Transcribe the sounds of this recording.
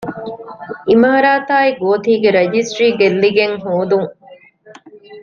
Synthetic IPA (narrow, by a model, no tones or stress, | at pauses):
imɐɦɐɾaːt̪aːiɡoːt̪iːɡeɾed͡ʒisʈɾiːɡelːiɡeŋɦoːd̪uŋ